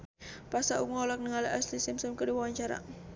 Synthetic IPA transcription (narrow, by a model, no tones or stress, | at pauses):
pasaʔukŋɔlɔk̚nəŋaliʔaslisɪmsəmkədiwawaɲt͡ʃaɾa̰